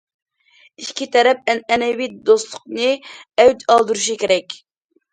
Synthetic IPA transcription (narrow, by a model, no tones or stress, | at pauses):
iʃkʲʰit̪ʰɛɾɛp̚ɛnɛnɛwit̪d̪ost̪lˠʊq̚nɨɛwt̪ɑlˠd̪ɨɾuʃ̬ikʲʰeɾɛkʲ